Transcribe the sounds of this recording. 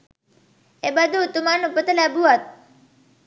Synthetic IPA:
ebəd̪ʱut̪umanũpət̪əlabʱuət̪̚

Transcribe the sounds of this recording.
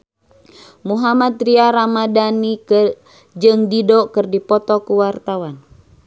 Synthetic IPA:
muɦamat̪ɾiaɾamadanik | d͡ʒɨŋdidɔkɨrdipɔt̪ɔkuwart̪awan

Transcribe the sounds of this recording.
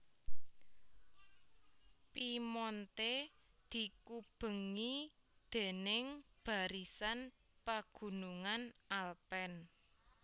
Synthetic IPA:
pimɔnt̪e | d̪̥i̤kub̥ə̤ŋi | d̪̥e̤nɪŋb̥a̤ɾisan | paɡ̥ṳnuŋanʔalpɛn

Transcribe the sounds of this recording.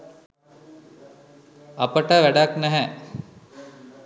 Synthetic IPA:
apəʈəʋæɖaknæɦɛ

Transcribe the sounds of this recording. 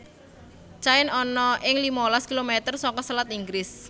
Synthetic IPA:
t͡ʃaɪnɔnɔʔɪŋlimɔlaskilomet̪ərsɔŋkɔsəlat̪iŋɡɾɪs

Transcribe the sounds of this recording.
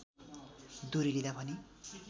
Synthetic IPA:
d̪uɾilid̪abʱʌni

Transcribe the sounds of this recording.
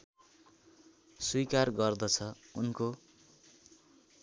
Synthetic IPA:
sujkarɡʌrd̪ʌt͡sʰʌunko

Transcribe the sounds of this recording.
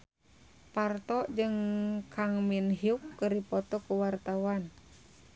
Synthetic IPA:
part̪ɔʔd͡ʒɨŋkʰaŋminɦiukːəɾipɔt̪ɔkuwart̪awan

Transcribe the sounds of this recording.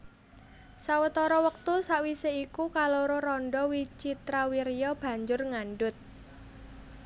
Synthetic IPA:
sawət̪ɔɾɔwək̚t̪usaʔwiseikukaloɾoɾɔɳɖɔwit͡ʃit̪ɾawiɾijɔb̥ä̤ɲd͡ʒʊrŋanɖʊt̪̚

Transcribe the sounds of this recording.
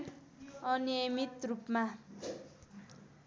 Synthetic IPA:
ʌnijʌmit̪rupma

